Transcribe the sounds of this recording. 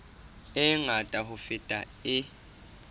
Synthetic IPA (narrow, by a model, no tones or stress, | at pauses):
ɛŋatʼahufitʼa̰ | ɪ